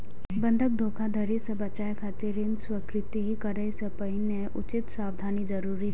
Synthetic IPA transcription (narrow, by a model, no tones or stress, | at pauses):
bə̃nd̪ʱək̚d̪ʱoːkʰad̪ʱɐɾisebɐt͡ʃaːjekʰaːt̪ɪɾɪnswəkɾɪt̪ikɐɾəsepɐɦineʔʊt͡ʃɪt̪saːʋd̪ʱaːnid͡ʒɐɾuːɾi